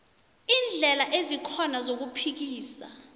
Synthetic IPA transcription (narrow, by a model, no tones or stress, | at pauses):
iːnd͡ɮʱɛlaʔezikʰɔnazok̬upʰik̬iːsa̰